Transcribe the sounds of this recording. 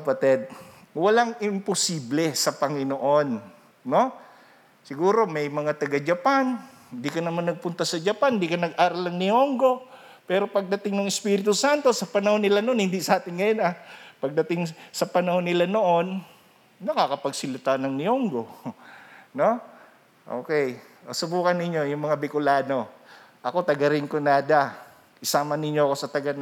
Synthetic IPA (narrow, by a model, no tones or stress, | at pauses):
ɐpɐt̪ɛd̪̚ | wɐlaŋʔɪmposiːblɛsɐpɐŋɪnoʔo̞nː | o̞ | sɪɡuːɾo̞mɛjmɐŋat̪ɐɡad͡ʒɐpanhɪnd̪ikɐnɐmanːɐɡ̚pʊnt̪ɐsɐd͡ʒɐpand̪ikɐnɐɡʔaːɾɐlɐŋnɪoŋɡo̞ | pɛːɾo̞pɐɡ̚d̪ɐt̪ɪŋnʊŋɪspiːɾɪt̪ʊsant̪o̞sɐpɐnɐhonːɪlanoonhɪnd̪isɐʔaːt̪ɪnɡɐjonʔapɐɡ̚d̪ɐt̪ɪŋsɐpɐnɐho̞nːɪlano̞ʔo̞nː | ɐkakɐpɐɡsɪlɪt̪anɐŋnɪoŋɡo̞ | no̞ | ʔo̰ːkɛj | ʔosʊbuːkɐnːɪɲːo̞jʊŋmɐŋabɪkʊlaːno̞ | ʔɐko̞t̪ɐɡɐɾɪŋkonaːd̪a | ʔɪsaːmɐnɪɲːo̞ɐko̞sɐt̪ɐɡan